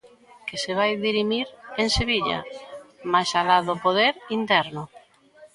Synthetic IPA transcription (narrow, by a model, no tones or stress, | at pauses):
kɪseβ̞ajðiɾimiɾeŋseβiʎɐ̰majsaðaðopoðeɾint̪ɛɾnʊ